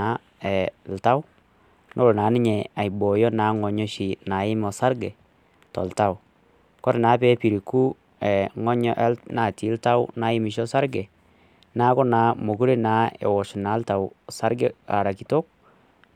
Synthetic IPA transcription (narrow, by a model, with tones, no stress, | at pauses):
a˨˦ | ɛ˨lta˦w | nʔo˦ɾo˨naː˨˦nɪ˦ɲɛ˨a˨jbɔ˨jɔ˦na˨˦ŋɔ˨ɲɔ˦ʃi˨na˨jɪ˦mɔ˨sa˦ɾɡɛ˨ | tɔ̰˨lta˦w | kɔ˦ɾɛ˨na˨˦pɛ˦pi˨ɾi˨ku˦ | ɛ˨ŋɔ˦ɲɔ˦ʔɛ˦na˨ti˨˦lta˦wna˦jɪ˦mɪ˨ʃ̬ɔ˦sa˦ɾɡɛ˨ | na˦kɔ˦na˨˦mo˨ku˦ɾe˦na˦ɛ̰˨wɔ˨ʃu˨na˨˦lta˨wsa˦ɾɡɛ˦a̰˨ɾa˨ki˨to˦k̚